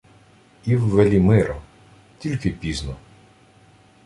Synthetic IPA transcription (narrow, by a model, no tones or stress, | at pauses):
iwːelʲimɪɾɔ | tʲilʲkɪpʲiznɔ